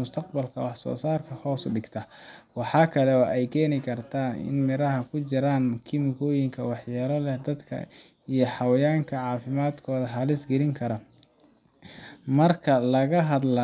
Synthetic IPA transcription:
ʊst̪ʰɐq̚bɐlkʰɐ̰wɑħsɔ̰ːsaːrkʰɐhɔːsʊɖɪɡt̪ʰɐwɑħɑːkʰɐlɛɔːʔɛjkʰɛːnɪkʰɐrt̪ʰaːnɪ̰nmɪɾɐɦɐkʰʊt͡ʃɪɾaːnkʰɪmɪkʰɔːjɪŋkʰɐwɑħjaːlɐlɛhd̪ɐd̪kʰɐ̰ | ijɞħɑwɐjaːŋkʰɐʕɑːfɪmaːd̪kʰɔːðɐɦɐlɪsɡɛɾɪŋkʰɐɾɐ | mɐrkʰɐlɐɣɐɦɐd̪lɐ

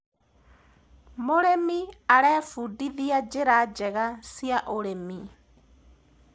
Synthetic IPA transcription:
moɾɛmiaɾɛːfudiðiad͡ʒɪɾad͡ʒɛɣasjaʔoɾɛmi

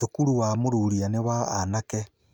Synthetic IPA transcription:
okuɾuwamoɾuɾianewaanakɛ

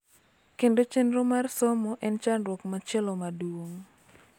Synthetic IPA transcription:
kendot͡ʃenromarsɔmɔʔɛnt͡ʃanɾwɔkmat͡ʃɛlɔmaduwoŋ

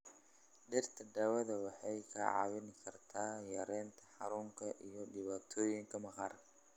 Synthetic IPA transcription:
ɗɪɾt̪ʰɐd̪ɐwɐd̪ɐwɐħɐjkʰɐ̰ʕa̰wɪnɪkʰɐɾt̪ʰaːjɐɾent̪ʰɐ̥ħaɾuŋkʰɐʔijɔɗɪβat̪ʰojɪŋkɐmɐxɐɾ

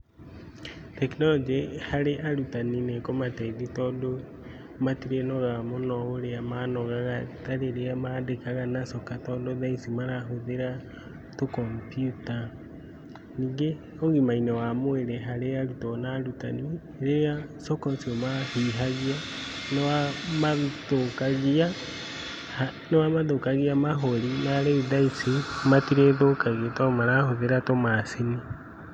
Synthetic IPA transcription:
tɛknɔlɔd͡ʒehaɾeʔaɾutaninekɔmatɛiðitɔːdo | matiɾenɔɣamonɔoɾeamaːnɔɣaɣataɾeɾeamadekaɣanasɔkatɔːdoðaisimaɾaɦoðeɾa | tokɔmpjuta | niːŋɡe | oɣimainɔwamoeɾɛɦaɾejaɾutɔnaɾuta̰ni | ɾejasɔkɔsiomahiɦaɣianɔwamaðokaɣia | ha | nɔwamaðokaɣiamaɦɔɾinaɾeuðaisimatiɾeðokaɣetɔmaɾahoðeɾatomasini

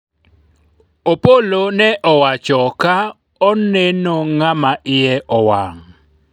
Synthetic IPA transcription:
opolonɛʔɔwat͡ʃɔka | ɔnenoŋamaʔɪjɛʔɔwa̰ŋ

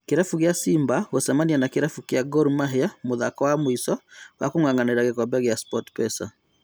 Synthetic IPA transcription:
keɾafuɣeasiːmbaɣosɛmanianakeɾafukjaɡɔɾumaɦɛamoðakɔwamoisɔwa̰koŋwaŋɡaneɾaɣekɔbɛɣjaspɔtpɛsa̰

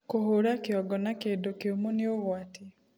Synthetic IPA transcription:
kohoɾakjɔɡɔnakedokeomoneoβwati

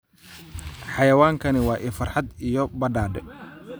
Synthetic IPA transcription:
ħɑjɐwaːŋkʰɐnɪwɑːʔiːfɐrħɑd̪ijɔbɐɖaːɖɛ

